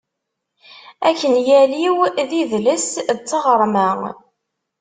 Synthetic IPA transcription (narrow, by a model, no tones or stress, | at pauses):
ækːənjæliwðiðləsd̪t͡sːəʁəɾˤmæŋ